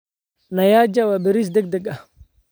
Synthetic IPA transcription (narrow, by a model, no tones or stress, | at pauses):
najad͡ʒawabeɾis̬dɛɡ̚dɛɡa